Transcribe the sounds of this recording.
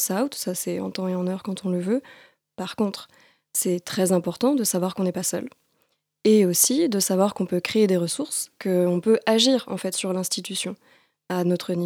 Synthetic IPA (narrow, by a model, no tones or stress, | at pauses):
saut̪sasɛɑ̰̃t̪ɑ̃eɑ̃nœʁkɑ̃t̪ʰɔ̃ləvø | paʁkɔ̃t̪χ | sɛt̪χɛzɛ̃pɔʁt̪ɑ̃d̪əsavwaʁkɔ̃nɛpasœ̰l | eosid̪əsavwaʁkɔ̃pøkχeːd̪eʁəsuʁskəɔ̃pøʔaʒiʁɑ̰̃fɛt̪syʁlɛ̃st̪it̪ysjɔ̃ | anɔt̪χəni